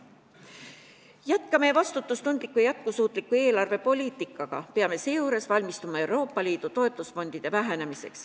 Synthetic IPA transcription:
jæt̪kɑmevɑst̪ut̪ːˑust̪und̪̥likːˑujæt̪̚kusuːt̪ˑlikːue̞ːlɑrve̞po̞lʲiːt̪ˑikːˑɑɡ̥ɑ̰peɑme̞seːjuɾe̞svɑlʲmist̪umɑe̞wɾo̞ːpːˑɑliːd̪̥ut̪o̞e̞t̪ˑːusfo̞nd̪̥id̪̥e̞væɦæne̞mise̞̰ks

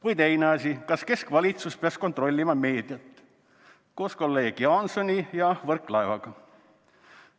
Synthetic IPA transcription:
kujt̪e̞jneɑsikɑske̞skvɑlʲit̪suspeɑskont̪ˑɾo̞lʲːimɑme̞ːd̪̥jɑt̪ːˑ | ko̞ːsko̞lːejkiɑnso̞nʲijɑvɤrkˑlɑevɑɡ̥ɑ

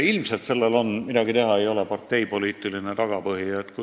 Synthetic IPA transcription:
ilmselt̪se̞lːelo̞nmid̪ɑɡ̥it̪e̞ɦɑe̞jo̞lepɑrt̪ˑːe̞jpo̞liːt̪ːˑiline̞t̪ɑɡ̥ɑpɤɦiet̪k

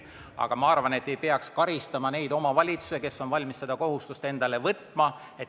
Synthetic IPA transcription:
ɑ̰ɡ̥ɑmɑɑrvɑne̞t̪ːe̞jpe̞ɑkskɑɾist̪ɑmɑne̞jd̪̥o̞mɑvɑlʲit̪su̥se̞ke̞sːo̞nvɑlʲmisːe̞d̪̥ɑko̞ɦust̪ust̪e̞nd̪̥ɑle̞vɤt̪ːˑmɑ | e̞

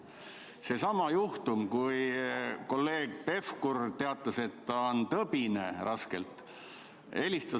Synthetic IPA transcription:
se̞sɑmɑjuht̪umkujko̞lːe̞ːɡ̥pe̞fkurt̪e̞ɑt̪ːˑɑse̞t̪ːɑont̪ɤbinerʔɑske̞̰lt̪ˑ | e̞list̪ɑ

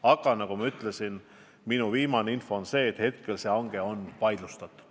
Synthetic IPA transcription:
ɑɡ̥ɑnɑɡ̥umɑyt̪ˑlesin | minuviːmɑneinfo̞ːnse̞ːt̪ːhe̞t̪̚ke̞lse̞ɑŋɡ̥e̞o̞npɑjd̪lust̪ɑt̪ːˑu̥

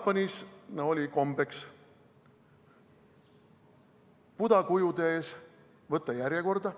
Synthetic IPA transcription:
pːɑnʲisnɑo̞lʲiko̞mbe̞ks | pud̪ɑkujud̪ee̞ːs | vɤt̪ːˑɑjæɾje̞ko̞rd̪̥ɑ

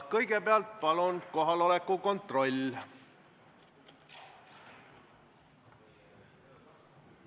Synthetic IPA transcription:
kɤjɡe̞peɑlt̪̚pɑlunko̞ɦɑlo̞lekːˑuko̞nt̪ˑro̞lʲː

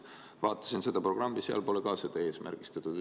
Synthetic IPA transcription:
vɑːt̪ːˑɑ̥sinse̞d̪̥ɑpro̞ɡ̥rɑmːiseɑ̰lpo̞lekɑːsed̪̥ɑe̞ːsmʔæ̰rɡ̥ist̪ɑt̪ːˑud̪

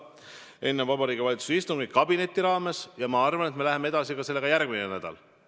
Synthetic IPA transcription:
e̞nːenvɑbɑɾiːɡ̥ivɑlit̪su̥sist̪uŋɡikːɑbine̞t̪ʲːˑiɾɑːme̞sjɑmɑɑrvɑnet̪me̞læɦe̞mee̞d̪̥ɑsikɑse̞lːe̞ɡɑjærɡ̥minenæd̪̥ɑ̰l

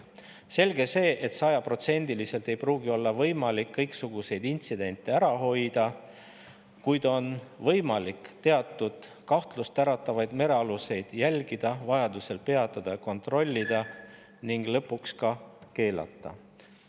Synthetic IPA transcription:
se̞lɡ̥e̞se̞ːʔet̪sɑjɑpro̞t̪se̞nʲd̪̥ilise̞lt̪e̞jpruːɡ̥io̞lːɑvɤ̞jmɑlikːɤjksuɡ̥use̞jd̪int̪sid̪̥e̞nʲt̪ːˑe̞æɾɑɦo̞jd̪̥ɑ | kujd̪̥o̞nvɤ̞jmɑlikt̪eɑt̪ːˑud̪̥ | kɑht̪lust̪æɾɑt̪ːˑɑvɑjd̪̥me̞ɾe̞ɑluse̞jd̪̥jælʲɡ̥id̪̥ɑvɑjɑd̪use̞lpe̞ɑt̪ːˑɑd̪̥ɑjɑko̞nt̪ro̞lʲːid̪̥ɑ | niŋɡ̥lɤpːˑukskɑke̞ːlɑ̰t̪ˑːɑ̰

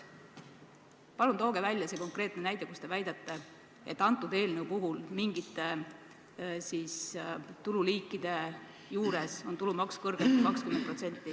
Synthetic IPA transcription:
pɑlunt̪o̞ːɡ̥e̞vælʲjɑse̞ːko̞ŋkre̞ːt̪ne̞næjd̪̥ekust̪e̞væjd̪̥et̪ːˑe̞ | ḛt̪ːˑɑnt̪ːˑud̪e̞ːlneupuɦulmiŋɡ̥it̪ːe̞ | siːst̪ululiːkːˑid̪̥e̞ | juːɾe̞so̞nt̪ulumɑkskɤrɡ̥et̪ku̥kɑkskymenpro̞t̪se̞nt̪ːˑi

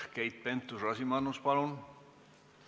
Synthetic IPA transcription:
kejt̪̚pent̪ːˑusɑsimɑnːuspɑlun

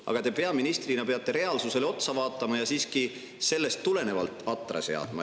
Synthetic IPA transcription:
ɑ̰ɡ̥ɑt̪e̞pe̞ɑminist̪rinɑpe̞ɑt̪ːˑe̞ɾe̞ɑlsuse̞lo̞t̪sɑvɑːt̪ːˑɑmɑjɑsiːski | se̞lːe̞st̪ːule̞ne̞vɑlt̪ːˑɑt̪ːˑrɑ̰se̞̰ɑ̰d̪̥mɑ̰

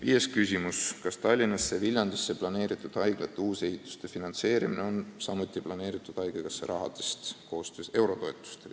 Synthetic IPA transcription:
vijeskysʲimuskɑst̪ɑlʲːinɑsːevilʲjɑnd̪̥isːeplɑne̞ːɾit̪ːˑud̪̥ɑjɡ̥lɑt̪ːˑeuːse̞ɦit̪ˑːu̥st̪e̞finɑnt̪se̞ːɾimineonsɑmut̪ːˑiplɑne̞ːɾit̪ːˑud̪̥ɑjɡ̥eɡɑsːeɾɑɦɑ̰d̪̥e̞st̪koːst̪øːse̞wɾo̞t̪o̞et̪ːˑu̥st̪el

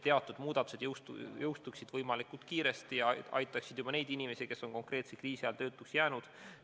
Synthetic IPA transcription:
t̪e̞ɑt̪ːˑud̪muːd̪̥ɑt̪use̞d̪jowst̪ṵjowst̪uksid̪̥vɤjmɑlikult̪̚kiːɾe̞st̪ijɑɑ̰jt̪ːˑɑksid̪̥jubɑne̞jd̪̥inʲime̞sike̞sːo̞ŋko̞ŋkre̞ːt̪sekriːsiɑlt̪ø̞ːt̪ːˑuksjæːnud̪̥

